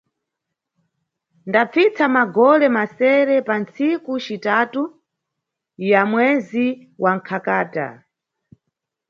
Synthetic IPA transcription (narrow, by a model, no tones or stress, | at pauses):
ndap͡fit͡samaɡɔlɛmasɛɾɛpant͡sikut͡ʃitatu | jamwɛzi | wʔaŋ̩kʰakaːta̰